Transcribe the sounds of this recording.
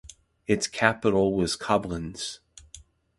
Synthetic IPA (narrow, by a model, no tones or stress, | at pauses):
ɨtskʰæpəɾl̩ˠwʌz̥kʰʌblə̃nz̥